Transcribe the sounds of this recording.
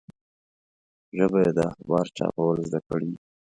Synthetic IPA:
ʒəbajed̪əaxbɑɾt͡ʃɑ̰pawəlzd̪akəɽi

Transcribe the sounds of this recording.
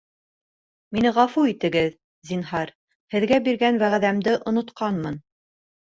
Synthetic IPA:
minɘʁɑfuit̪ɘ̆ɡɘð | zinɦɑɾ | hɘ̆ðɡæbiɾɡænwæʁæðæmd̪ɘʔŏnŏt̪qɑnmɤn

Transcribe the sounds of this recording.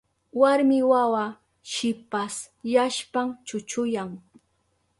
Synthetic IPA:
waɾmɪwawa | ʃɪpas | jaʃpamt͡ʃʊt͡ʃʊjaŋ

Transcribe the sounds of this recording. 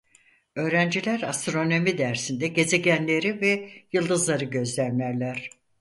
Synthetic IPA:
ø̞ːɾænd͡ʒilʲæɾast̪ɾo̞no̞mid̪æɾsind̪ɛɟe̞ze̞ɟænlʲe̞ɾivɛjɯlˠd̪ɯzlˠaɾɯɟø̞zlʲænlʲæɾlʲæɾ̥

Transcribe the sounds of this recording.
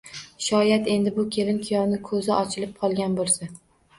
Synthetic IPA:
ʃɒjat̪e̞nd̪ɪbʊkʲʰe̞lɪnkʲʰɪjɒɾnɪkʰɵzɪʔɒt͡ʃʰɪlɪp̚qʰɒlˠɡʲanbolˠsa

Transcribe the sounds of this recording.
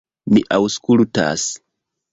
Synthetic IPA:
miʔawskulta̰s

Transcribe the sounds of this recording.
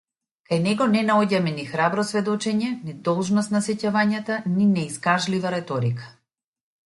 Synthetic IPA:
kajnɛɡɔnɛnaɔɟamɛnixɾabɾɔsvɛd̪ɔt͡ʃɛɲɛnid̪ɔlˠʒnɔst̪nasɛcavaɲat̪aninɛiskaʒlivaɾɛt̪ɔɾikḁ

